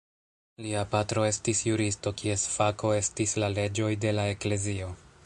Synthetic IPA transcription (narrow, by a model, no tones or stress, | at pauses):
liapatɾo̞e̞stisjuɾisto̞kie̞sfakʰo̞e̞stislale̞d͡ʒo̞jde̞lae̞kle̞zio̞